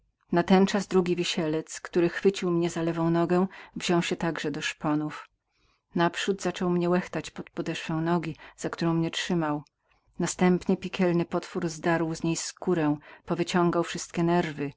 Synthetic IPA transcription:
nat̪ɛnt͡ʂazd̪ɾuɡʲivʲiɕɛlɛt̪skt̪uɾɘxfɘt͡ɕiwmɲɛzalɛvɔ̃w̃nɔɡɛ̃w̃vʑɔ̃w̃ɕɛt̪aɡʐɛd̪ɔʂpɔnuf | napʂud̪zat͡ʂɔwmɲɛwɛxt̪at͡ɕpɔt̪pɔd̪ɛʂfɛ̃w̃nɔɡʲiz̥akt̪uɾɔ̃w̃mɲɛt͡ʂʂɘmaw | nast̪ɛmpɲɛpʲikʲʰɛlnɘpɔt̪fuɾzd̪aɾwzɲejskuɾɛ̃pɔvɘt͡ɕɔ̃ŋɡawfʂɘst̪̚kʲɛnɛɾvɘ

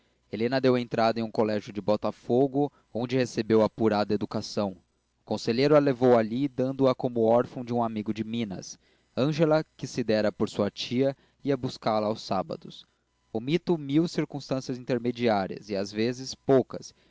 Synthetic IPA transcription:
elẽnɐd̪ewẽnt̪ɾad̪ɐẽũkolɛʒjʊd͡ʒɪbɔt̪afoɡʊ | õnd͡ʒɪhesebewɐpuɾad̪ɐed̪ukasɐ̃w̃ | ʊkõseʎejɾʊɐlevowaʎid̪ɐ̃nd̪ʊɐkõmʊɔɾfɐ̃w̃d͡ʒɪũamiɡʊd͡ʒɪmĩnɐ̰s | ɐ̃ʒelɐkɪsɪd̪ɛɾɐpoɾsuɐt͡ʃiɐ | iɐbuskalɐːwsabɐ̰d̪ʊs | ʊmit̪ʊmiwsiɾkũst̪ɐ̃siɐzĩnt̪eɾmed͡ʒiaɾiɐ̰zɪazvezɪspowkɐs

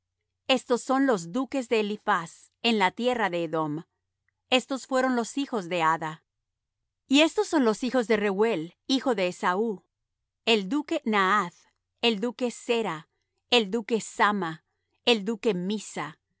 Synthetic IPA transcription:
e̞st̪o̞sːo̞nlo̞zd̪uke̞zðe̞ːlifas | e̞nlat̪je̞raðe̞ːðo̞m | e̞st̪o̞sfwe̞ɾo̞nlo̞sixo̞zðe̞aða | ie̞st̪o̞sːo̞nlo̞sixo̞zðe̞rewe̞lixo̞ðe̞ːsau | e̞ld̪uke̞naað | eld̪uke̞se̞ɾa | eld̪uke̞sama | eld̪uke̞misa

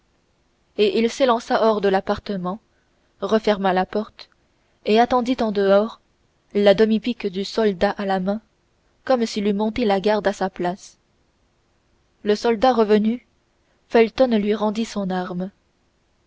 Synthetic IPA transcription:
eʔilselɑ̃saʔɔʁd̪əlapaʁt̪əmɑ̃ | ʁəfɛʁmalapɔʁt̪ | eat̪ɑ̃d̪it̪ɑ̃d̪əɔʁ | lad̪ɔmipikd̪ysɔld̪aʔalamɛ̃ | kɔmsilymɔ̃t̪elaɡaʁd̪asaplas | ləsɔld̪aʁəvəny | fɛlt̪ɔnlɥiʁɑ̃d̪isɔ̃naʁm

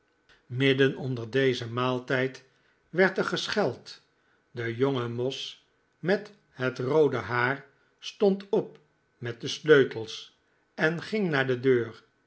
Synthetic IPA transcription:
mɪdənɔndəɹdejzəmaːlˠtɛjt | ʋɛɹtəχəsχɛlˠt | dəjoŋəmɔs | mɛt | hətrowdəɦaːɹ | stɔntɔp̚ | mɛt̚dəsløɥtəlˠs | ɛnχɪŋnaːɹdədøːɹ

